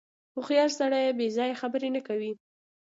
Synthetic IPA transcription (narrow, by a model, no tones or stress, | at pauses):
ʊxjɑlsaɽajebezɑjaxabəɾenakawi